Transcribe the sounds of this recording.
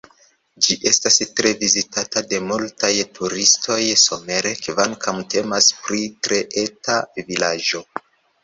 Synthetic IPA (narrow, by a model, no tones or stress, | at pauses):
d͡ʒiʔe̞stastɾe̞vizitatade̞multajtʰuɾistʰo̞jso̞me̞ɾekvaŋkʰamte̞maspɾitɾe̞ʔe̞tavilad͡ʒo̞